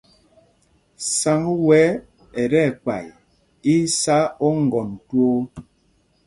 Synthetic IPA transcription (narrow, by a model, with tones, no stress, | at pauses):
sa˨˦ŋ˦wɛ˨˦ | ɛ˨ɾɛ˦˨ka̰˨j | i˦sa˦ɔ˦ŋ̩˨ɡɔ˨n˨two˦